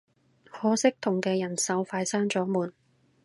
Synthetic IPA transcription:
hɔː˨˥sɪ˥k̚t̪ʰʊ˨˩ŋkɛː˧jɐ˨˩nsɐ˨˥wfaː˧˥jsaː˥ŋt͡sɔː˨˥muː˨˩n

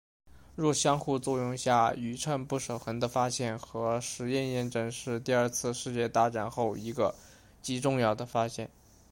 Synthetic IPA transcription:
ɻwɔ˥˩ɕjɑ˥ŋxu˥˧t͡swɔ˥˧jʊ˥˧ŋɕja˥˩y˨˩ʈ͡ʂʰə˥˧npu˥˩ʂo˨˩ʊxə˧˥nd̪ə˧fa˥ɕjɛ˥˩nxɤ˧˥ʂɻ̩˧˥jɛ˥˧njɛ˥˧nʈ͡ʂɤ˥ŋʂɻ̩˥˧t̪i˥˧ə˞˥˧t͡sʰɹ̩˥˧ʂɻ̩˥˧t͡ɕjɛ˥˧t̪a˥ʈ͡ʂa˨˩nxo˥˩ʊi˧˥ɡə˧ | t͡ɕi˧˥ʈ͡ʂʊ˥˧ŋjɑ˥˩ʊd̪ə˩fa˥ɕjɛ˥˩n

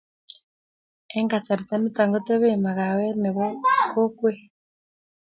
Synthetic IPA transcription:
ɛ˦ŋɡa˨sa˨ɾi˨ta˦ne˦ta˨ŋɡo˦te˦βe˦ma˨ɣa˨we˦ne˨βɔ˦ko˦kwe˦

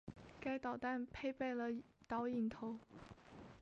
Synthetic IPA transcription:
ka˥ɪt̪ɑ˨˩ʊt̪a˥˩npʰe˥˧ɪpe˥˩ɪlə˩t̪ɑ˧˥ʊi˨˩nt̪ʰo˧˥ʊ

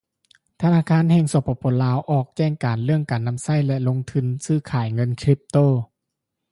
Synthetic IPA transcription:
t̪ʰa˧naː˧˥˨kʰaː˧˥˨nhɛː˧ŋso˨˦pʰːɔ˧˩pʰo˨˧˥laː˧˥wʔɔː˧˩k̚t͡ɕɛː˥˩ŋkaː˨˩nlɯ˥˩əŋkaː˨˩nːa˧˥msa˥˩jlɛ˧lo˧ŋt̪ʰɯ˧nsɯː˧˥˨kʰaː˨˩jŋɤ˧˥nkʰɾi˦˥p̚t̪oː˥˩˨

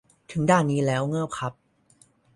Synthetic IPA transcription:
t̪ʰɯ˩˦ŋdaː˥˩nːiː˦˥lɛː˦˥wŋɤː˥˩w̚kʰa˦˥p̚

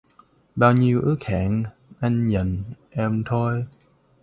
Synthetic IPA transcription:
ɓaː˧wɲi˧əwʔɨ˦˥ək̚haː˧˩˨n | ʔa˧jŋ̟ɲə̰˧˨nʔɛ˧mt̪ʰo˧j

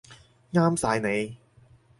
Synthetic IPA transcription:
ŋaː˥msaː˧jne˨˧j

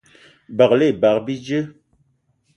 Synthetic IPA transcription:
ba˨kle˦˨ba˨kbi˦d͡ʒə˦

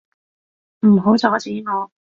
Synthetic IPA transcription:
m̩˨˩ɦo˨˥wt͡sʰɔː˨˥t͡sʰiː˨˥ŋɔː˨˧

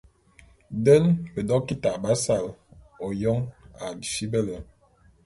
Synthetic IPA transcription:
də˦lbə˨dɔ˦ki˦ta˨ʔba˦sa˨l | o˨jɔ˦ŋa˨di˨fi˦bə˦lə˨

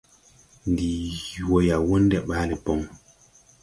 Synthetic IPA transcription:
n̩˨di˨wo˨ja˨wo˦n̩˦dɛ˦ʔɓa˨˦nɛ˨pɔ˦ŋ

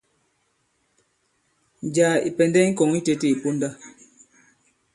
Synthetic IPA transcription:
n˨d͡ʒaː˨ḭ˨pɛ˨ndɛ˦ŋ̩˦kɔ˨ŋi˦te˦te˦i˨po˦n˦da˦

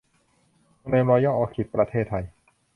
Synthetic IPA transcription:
ŋna˧mɔː˧jɔː˥˩ʔɔː˧˩kʰi˨˩t̪̚pɾa˧t̪ʰeː˥˩t̪ʰːa˧j

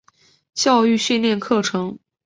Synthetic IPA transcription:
t͡ɕjɑ˥˧ʊy˥˧ɕy˥˧nljɛ˥˧nkʰɤ˥˩ʈ͡ʂʰɤ˧˥ŋ

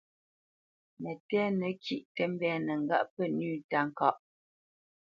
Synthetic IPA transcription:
mɛ˨tɛ˦nɛ˨kʰi˨ʔtɛ˦m˦bɛː˦nɛ˨ŋ̩˨ɡa̰˦ʔpə˦˨nʉː˦˨ta˦˨ŋ̩˨kɔ̰˦˨ʔ

